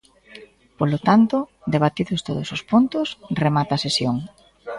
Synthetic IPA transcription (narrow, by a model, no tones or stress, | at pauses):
polot̪ant̪ʊd̪eβat̪iðʊst̪oðosospont̪ʊsremat̪aːsesjoŋ